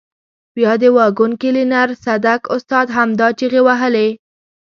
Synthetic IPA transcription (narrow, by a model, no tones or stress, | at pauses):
wjɑd̪əwɑɡunkɪlinaɾsad̪akʊst̪ɑd̪ɦamd̪ɑt͡ʃeɣewaɦəle